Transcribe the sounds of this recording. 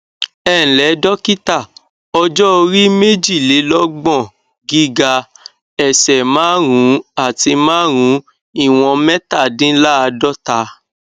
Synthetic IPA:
ɛ̃˦˨lɛ˨˦dɔ˦ki˦ta˦˨ | ɔ˧d͡ʒɔ˦o˧ɾi˦me˦d͡ʒi˦˨le˨˦lɔ˦ɡ͡bɔ̃˦˨ | ɡi˦ɡa˧ | ɛ˨sɛ˨mãː˨˦ɾ̃ũ˨˦a˦˨ti˧mãː˦ɾ̃ũ˨˦ | i˦˨w̃ɔ̃˧mɛ̃˦ta˦˨dĩ˦la˦a˧dɔ˦ta˧˦

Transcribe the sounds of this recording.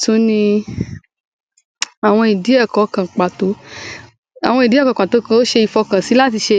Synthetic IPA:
tũ˨˦nĩ˧ | a˨w̃ɔ̃˧i˨di˨˦ɛ˦˨kɔ˨˦kã˨k͡pa˨to˨˦ | a̰˨wɔ̃˧i˨di˨˦ɛ˦˨kɔ˨˦˨k͡pa˨to˨˦kã˨o˦ʃe˧i˧˨fɔ˧kã˨si˨˦la˦ti˧ʃe˧

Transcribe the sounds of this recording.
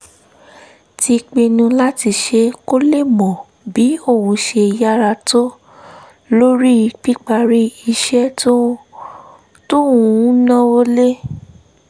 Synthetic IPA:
ti˧k͡pe˧nũ˧la˦ti˧ʃe˧ko˦le˦˨mɔ̃˨ | bi˨˦o˦˨wũ˧ʃe˧ja˦ɾa˧to˦ | lo˦ɾi˦i˧k͡pi˦k͡pa˧ɾi˦i˧ʃɛ˦to˦ | to˦ũ˨˦nã˦o˦le˦

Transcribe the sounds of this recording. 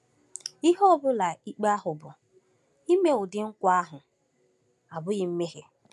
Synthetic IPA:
i˦ɦɔ˦bʊ˦la˨i˦k͡pa˦ɦʊ˨bʊ˨ | i˦me˦ʊ˨dɪ˨ŋ̩˦kʷa˦ɦʊ˨ | a˨bʊ˦ɣɪ˦m̩˦me˦ɦe˦

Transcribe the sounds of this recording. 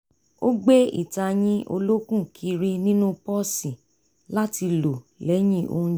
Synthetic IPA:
o˦ɡ͡be˦ḭ˦˨ta˧j̃ĩ˦o̰˧lo˦kũ˦˨kʰi˧ɾi˦nĩ˦nũ˦pɔ˦sĩ˨ | la˦ti˧lo˨lɛ˨˦j̃ĩ˦˨ʔo̰˧ũ˦

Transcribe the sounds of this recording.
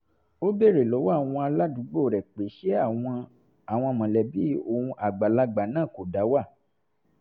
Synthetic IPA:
o˦be˦˨ɾe˨lɔ˨˦wa˦˨w̃ɔ̃˧a˧la˦dũ˨˦ɡ͡bo˦˨ɾɛ˨k͡pe˨˦ʃe˦a˦˨w̃ɔ̃˧ | a˨w̃ɔ̃˧mɔ̃˨lɛ˨bi˦o˨ũ˧ʔa˨ɡ͡ba˨la˧ɡ͡ba˨nãː˦˨ko˨da˨˦wa˦˨

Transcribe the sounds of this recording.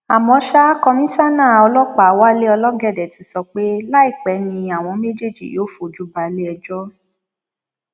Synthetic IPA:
a˨mɔ̃˨˧˦ʃa˦kɔ˧mĩ˦sa˦nãː˦˨ɔ˧lɔ˦k͡pa˨˦wa˦le˦ɔ˧lɔ˦ɡɛ˦˨dɛ˨tĩ˨˧˦sɔ˧k͡pe˦la˦i˦˨k͡pɛ˨˦nĩ˧a˨w̃ɔ̃˧me˦d͡ʒe˦˨d͡ʒḭ˨jo˨˦fo˨d͡ʒu˦ba˨˦le˦ɛ˧d͡ʒɔ˦

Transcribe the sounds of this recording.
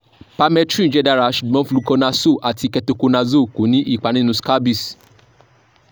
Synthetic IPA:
pa˧mɛ̃˧tɾĩ˦˨˦d͡ʒɛ˦da˦˧ɾa˨˦ʃu˨dmɔ̃˦fu˧lu˦˧kɔ˧nã˧so˦˨ʔa˨ti˧kɛ˧to˧ko˧nã˧zo˦˨ku˨˦nĩ˦ʔi˦˨k͡pa˨nĩ˦nũ˧ska˦bi˦˨s

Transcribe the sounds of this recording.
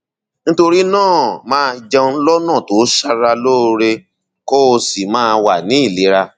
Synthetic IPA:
n̩˦to˧ɾi˦nãː˦˨mãː˦˧d͡ʒɛ˧u˧˦lɔ˦nã˦˨to˨˦ʃa˦ɾa˧lo˦˧ɾe˧ | kɔ˦o˧si˨mãː˦˧wa˨nĩ˨˦i˦˨le˨˦ɾa˧

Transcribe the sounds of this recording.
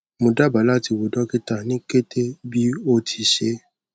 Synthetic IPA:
mõ˧da˦ba˨˦la˦ti˧wo˨dɔ˦ki˦ta˦˨nĩ˦ke˦tʰe˦bi˦o˦tʰi˧ʃe˧˦

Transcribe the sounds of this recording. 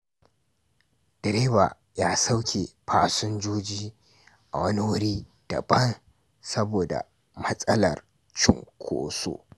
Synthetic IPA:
d̥ɛ˨ɾeː˦ba̰ː˨ | jaː˦sa˦wkʲʰe˨ɸʰaː˦sʊ˦nd͡ʒuː˦d͡ʒiː˦ | ʔa˨wɐ˦ni˦wʊ˦ɽiː˦ | d̥ɐ̰˨bɐ˦n | sɐ˦boː˨da̰˨ | mɐ˦sʼɐ˦lɐ̰˨r | t͡ʃɪ̰˦ŋkʷʰo̰ː˦so̰˦

